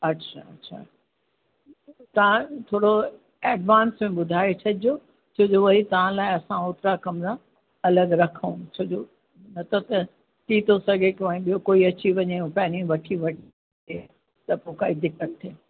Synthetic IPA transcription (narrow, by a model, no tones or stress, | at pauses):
ɐtːʃʰa̰ɐtːɕʰa̰ | t̪ɐʋ̤ãt̪ʰoːɽo | eːɖʋãːnsmẽɓʊd̪ʱaːet͡ɕʰɐdijo | t͡ɕʰoːd͡ʑoʋɐɦit̪ɐʋ̤ãlaːɪɐsãʊt̪ɾakɐmɾa | ɐləɡɾɐkʰəũt͡ɕʰod͡ʑo | nɐt̪ʰot̪ɐ | t̪it̪ʰosɐɡʱekõĩɓijokoːiɐt͡ɕiʋɐɲeũpɐːnĩʋɐʈʰiʋɐʈʰ | e | t̪ɐpokaːid̪ɪkət̪̚t̪ʰːeː